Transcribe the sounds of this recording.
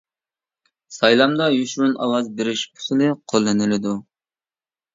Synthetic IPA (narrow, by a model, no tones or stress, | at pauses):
sɑjlˠɑmd̪ɑjyʃɾunɑ̰lˠɑzbɪɾɪʃpʰʊ̥sɨlˠɨqʰolˠːɨnɪlɪd̪u